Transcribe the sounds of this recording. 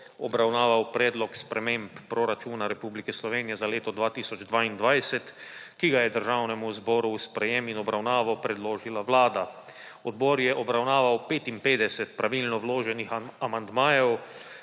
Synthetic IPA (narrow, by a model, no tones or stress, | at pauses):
ɔbɾawnaːʋawpɾɛːd̪lɔkspɾɛmempːɾɔɾat͡ʃuːnaɾɛpublikɛslɔʋeːnijɛzaleːt̪ɔd̪ʋaːt̪isɔd͡ʒd̪ʋaːind̪ʋajsɛt̪kiɡajɛd̪əɾʒawnɛmuzbɔːɾuːspɾɛjeminɔbɾawnaːʋawpɾɛd̪loːʒilaʋlaːd̪a | ɔd̪bɔːɾjɛʔɔbɾawnaːʋawpeːt̪impeːd̪ɛsɛt̪pɾaʋilnɔwloːʒɛnixamand̪maːjɛw